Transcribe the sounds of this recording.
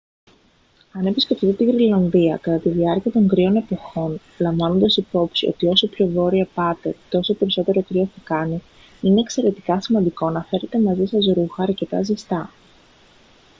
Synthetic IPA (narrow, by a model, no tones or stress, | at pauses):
ɐnepisce̞ft̪it̪et̪iɣɾilɐnðiɐkɐt̪ɐt̪iðiɐɾciɐt̪o̞ŋɡɾio̞ne̞po̞xo̞n | lɐɱvɐno̞nd̪ɐsipo̞psio̞̰t̪io̞so̞pço̞vo̞ɾiɐpɐt̪e̞t̪o̞so̞pe̞ɾiso̞t̪e̞ɾo̞kɾioθɐkɐni | ine̞ːkse̞ɾe̞t̪i̥kɐsimɐnd̪iko̞nɐfe̞ɾe̞t̪e̞mɐzisɐzoɾuxɐːɾce̞t̪ɐ̰zist̪ɐ